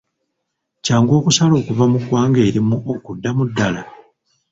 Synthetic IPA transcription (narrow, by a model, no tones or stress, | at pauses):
caːŋɡo̞ːkusalo̞ːkuvamuɡwaːŋɡe̞ːɾimuʔokudːamudːala